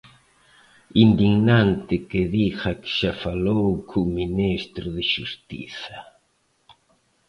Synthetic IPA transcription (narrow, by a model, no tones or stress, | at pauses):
ind̪iɣnãnt̪ɪkɪðixɐkʃafalowkʰuminist̪ɾʊðɪʃust̪ḭθɐ